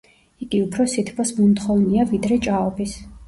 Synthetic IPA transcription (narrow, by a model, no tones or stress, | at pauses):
iɡiupʰɾɔsit̪ʰpʰɔsmunt̪χɔvniavid̪ɾɛt͡ʃʼaɔbis